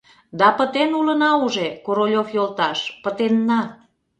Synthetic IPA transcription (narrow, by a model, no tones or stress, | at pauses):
d̪ɑpə̆t̪enulənɑuʒekoɾolʲofjolt̪ɑʃpət̪enːɑ